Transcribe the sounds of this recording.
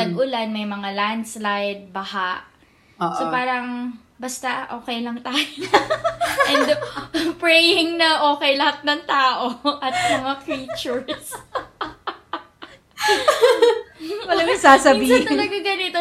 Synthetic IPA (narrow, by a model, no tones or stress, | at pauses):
ɐɡʔʊlanmɐjmɐŋaland̪slajd̪̚bɐhaʔ | oʔsopaːɾɐŋ | bɐst̪aʔo̞ːkɛjlɐŋt̪aːjo | ʔɛnpɹɛjɪŋnɐʔo̞ːkɛjlɐhat̪̚nɐŋt̪aːʔo̞ʔɐt̪̚mɐŋafiːt͡ʃʊɹs | wɐlɐŋnɐɡsaːsɐbiːɐɪɐɡaɡɐnɪt̪o